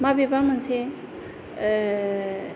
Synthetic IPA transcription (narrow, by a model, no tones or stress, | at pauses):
mabebamənsʰe